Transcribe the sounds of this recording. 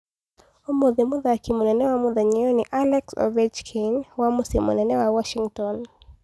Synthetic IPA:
umɔðimuðawakimunɛnɛwamuðaɲɛjɔniʔalɛksɔ̰vɛd͡ʒkʰinwamusimṵnɛnɛwawɔʃiŋtɔn

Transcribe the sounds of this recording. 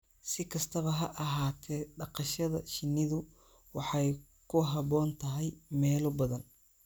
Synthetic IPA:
sɪkʰɐst̪ʰɐβɐɦɐʔɐɦaːt̪ʰɛːɖɑqɑʃɐðɐ̰ʃɪnːɪðʊ | wɑħɑj | kʰʊɦɐβɔːnt̪ʰɐɦɛjmɛːlɔbɐðɐn

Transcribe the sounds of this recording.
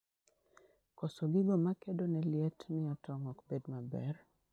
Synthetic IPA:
kɔsɔɡɪɡɔmakedonɛljɛtnɪɔtɔŋɔkbedmabɛ̰r

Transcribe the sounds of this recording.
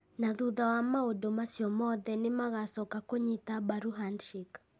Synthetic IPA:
naðuðawamaodomasjɔmɔðɛnemaɣasɔkakoɲitabaɾuɦanʃik

